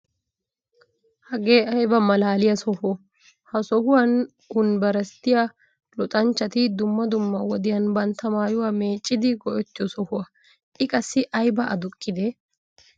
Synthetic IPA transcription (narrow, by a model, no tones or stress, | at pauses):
hɐɡe̞ːɐjbɐmɐlaːlɪjɐsɔhɔ | hɐsɔhʊwɐn | hʊnbɐɾɐst̪ːɪja | lɔt̪ʼɐnt͡ʃːɐt̪ɪd̪ʊmːɐd̪ʊmːɐwɔd̪ɪjɐnbɐnt̪ːɐmaːjʊwaːme̞ːt͡ʃʼːɪd̪ɪɡɔʔɔt̪ːɪɔsɔhʊwɐ | ʔɪkʼɐsːɪʔɐjbɐɐ̰d̪ʊkʼːɪd̪ɛ